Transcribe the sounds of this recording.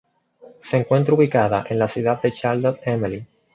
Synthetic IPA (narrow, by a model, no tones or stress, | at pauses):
seːŋkwe̞nt̪ɾuβikaðaʔe̞nlasjuðad̪̚d̪e̞t͡ʃaɾlot̪emeli